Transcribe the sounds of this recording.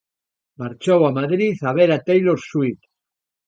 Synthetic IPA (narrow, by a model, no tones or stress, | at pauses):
maɾt͡ʃowamaðɾiθaβeɾat̪ejlosuit̪